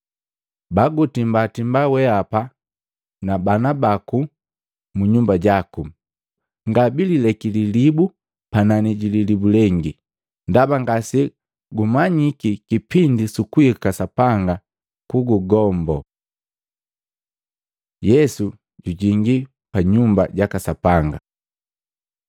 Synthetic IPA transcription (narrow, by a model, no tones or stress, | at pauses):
baɡutimbatimbawɛapa | nabanabaku | muɲumbaɟaku | ŋɡabililɛkililibu | pananiɟililibulɛŋɡi | ndabaŋɡasi | ɡumaɲikikipindisukuikasapaŋɡa | kuɡuɡɔmbɔ | jɛsu | ɟuɟiŋɡi | paɲumbaɟakasapaŋɡa̰